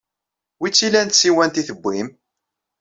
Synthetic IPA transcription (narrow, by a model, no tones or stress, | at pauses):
wit͡sːilænt̪siwænt̪iθəbːim